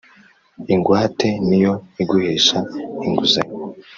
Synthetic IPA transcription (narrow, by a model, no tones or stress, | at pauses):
iŋɡwaːtʰe̞nijo̞iɡuheːʃaiŋɡuzaɲ